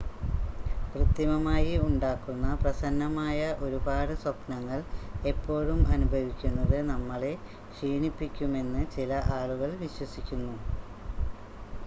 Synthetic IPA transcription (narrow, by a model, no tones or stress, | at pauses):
krɨt̪ːimɐmaːjiuɳɖaːkːunːɐprɐsɐnːɐmaːjɐʔo̞ɾubaːɽɨswɐpnɐŋːɐɭe̞pːo̞ːɻumɐnubʱɐʋikʲːunːɐðɨnɐmːɐɭe̞ | kʂiːɳipːikʲːume̞nːɨt͡ɕilɐʔaːɭuɣɐɭʋiɕwɐsikʲːunːu